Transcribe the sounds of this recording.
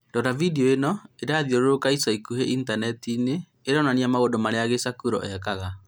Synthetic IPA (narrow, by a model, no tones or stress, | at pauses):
dɔɾavideɔenɔeɾaðiɔɾoɾokaisaikuɦɛʔintanɛtineː | ɾananiamaɣodɔmaɾeaɣesakuɾɔ̰ʔɛkaɣa